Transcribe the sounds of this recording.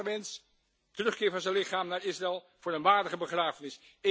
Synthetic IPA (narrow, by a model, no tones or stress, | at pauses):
əmɛns | tərɵχkɪːvɑnzɛnlɪχaːmnaːɹɪsrɛlˠ | v̥ʊːɾənʋaːɹdəχəbəχraːvənɪs